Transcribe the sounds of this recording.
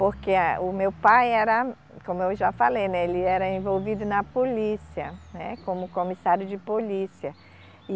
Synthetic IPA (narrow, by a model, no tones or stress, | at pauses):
poɾkeʊmewpajɛɾɐ | kõmʊewʒafalejnɛelɪɛɾɐẽvowvid̪ʊnɐpolisiɐnɛkõmʊkõmisaɾjʊd͡ʒɪpolisiɐ